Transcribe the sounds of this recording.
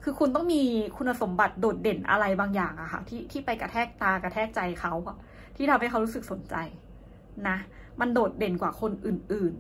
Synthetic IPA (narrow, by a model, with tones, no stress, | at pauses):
kʰɯː˧kʰu˧nt̪ɔ˥˩ŋmiː˧kʰu˧nʔa˧so˩˦mba˨˩t̪̚doː˨˩t̪̚de˨˩nʔa̰˧ɾa˧jbaː˧ŋjaː˨˩ŋʔa˨˩kʰa̰˥˩t̪ʰiː˥˩t̪ʰiː˥˩pa˧jka˧˩t̪ʰɛː˥˩k̚t̪aː˧ka˧t̪ʰɛː˥˩k̚t͡ɕa˧jkʰa˦˥wka˧˩ | t̪ʰiː˥˩a˧mɦa˥˩jʰa˦˥wɾu˦˥sɯ˨˩k̚so˩˦nt͡ɕa˧j | na˦˥ | ma˧ndoː˨˩t̪̚de˨˩nkwaː˨˩kʰo˧nʔɯː˨˩nʔɯː˨˩n